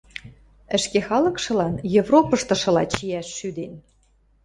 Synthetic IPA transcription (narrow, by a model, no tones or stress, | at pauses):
ə̆ʃkexɑlɤ̆kʃɤ̆lɑnjevropɤ̆ʃt̪ɤ̆ʃɤ̆lɑt͡ɕijæʃːyd̪en